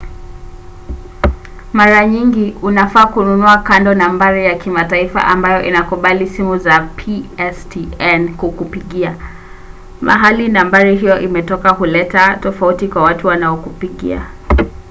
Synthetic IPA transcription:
maɾaɲiŋɡiunafaːkununuakandɔnambaɾijakimataifa̰ʔambajɔʔḭnakuɓalisimuzapʰiɛstʰiɛnkukupiɠia | mʔa̰ɦalinambaɾiɦijɔʔimɛtɔkaɦulɛtatɔfautikwawatuwanaɔkupiɠḭa̰

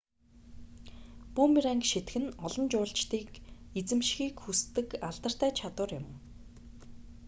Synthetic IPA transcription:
puːmiɾæŋkʃet̪xɘ̆nɔɮɞ̆nt͡ɕʊːɬt͡ɕt̪iːkit͡sɘ̆mʃxiːkxust̪ɘ̆kaɮt̪ə̆r̥t̪æːt͡ɕʰat̪ʊːrjʊm

